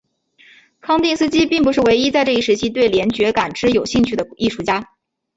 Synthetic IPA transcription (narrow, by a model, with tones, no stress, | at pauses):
kʰɑ˥ŋt̪i˥˧ŋsɹ̩˥t͡ɕi˥pi˥˩ŋp̬u˧˥ʂɻ̩˥˩we˧˥ɪi˥t͡sa˥˧ɪʈ͡ʂɤ˥˩i˥˩ʂɻ̩˧˥t͡ɕʰi˥t̪we˥˩ɪljɛ˧˥nt͡ɕɥɛ˧˥ka˨˩nʈ͡ʂɻ̩˥jo˨˩ʊɕi˥˧ŋt͡ɕʰy˥˩d̪ə˩i˥˧ʂu˥˩t͡ɕja˥